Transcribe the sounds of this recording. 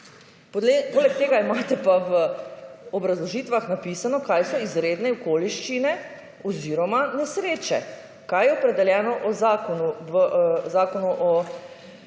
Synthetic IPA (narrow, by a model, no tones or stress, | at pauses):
ppoːlɛk̚t̪eːɡaimat̪ɛpaʋə | ɔbɾazlɔʒit̪ʋaxnapisanɔkajsɔizɾed̪nɛɔkoliʃt͡ʃinɛ | ɔziɾɔmanɛsɾeːt͡ʃɛ | kajɛɔpɾɛd̪ɛljɛːnɔʔɔzakɔnu | zaːkɔnuʔɔ